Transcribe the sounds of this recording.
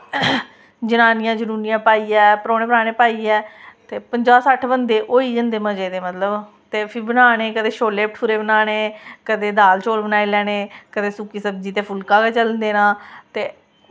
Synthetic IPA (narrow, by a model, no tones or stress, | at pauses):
d͡ʒənaːnɪjãːd͡ʒənuːnijãːpaːiːɛːpəɾoːñeːpəɾaːɽ̃eːpaːiːɛːt̪eːpəɲd͡ʒaːsəʈʰbənd̪eːʔoːiːd͡ʒənd̪eːməd͡ʒeːd̪eːmət̪ləb | t̪eːpʰɪɾbənaːɽeːkəd̪eːʃoːleːp̚ʈʰpʰʊɾeːbənaːɽ̃eːkəd̪eːd̪aːlt͡ʃoːlbənaːeːlɛːɽ̃eːkəd̪eːsukiːsəbd͡ʒiːt̪eːpʰʊlkãːkeːt͡ʃələnd̪eːnãːt̪eː